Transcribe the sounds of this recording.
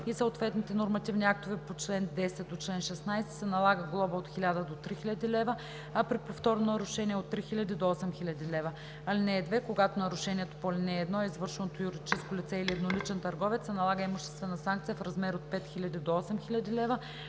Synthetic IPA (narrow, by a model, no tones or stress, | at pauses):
isəot̪vɛt̪nit̪ɛnoɾmɐt̪ivnʲiak̚t̪ovɛpot͡ʃlɛnd̪ɛsɛt̪ot͡ʃlɛnʃɛsnajsɛ̥sɛnɐlˠaɡəɡlˠɔbəot̪xilʲad̪əd̪ot̪ɾixilʲɐd̪ʲilɛvə | ɐpɾipoft̪ɔɾnonɐɾʊʃɛnʲiɛot̪ːɾixilʲɐd̪id̪oɔsɛmxilʲɐd̪ilɛvə | ɐlinɛːd̪vɛkoɡat̪onɐɾʊʃɛnʲiɛt̪o̥poɐlʲinɛːd̪nɔɛizvɤɾʃɛnot̪ojuɾid̪it͡ʃɛskolit̪sɛiliɛd̪nolit͡ʃɛnt̪ɐɾɡɔvɛt̪sɛnɐlˠaɡəimʊʃt̪ɛst̪vɛnɐsaŋk̚t̪sijəfɾɐzmɛɾot̪̚pɛt̪xilʲɐd̪id̪oɔsɛmxilʲɐd̪ilɛvə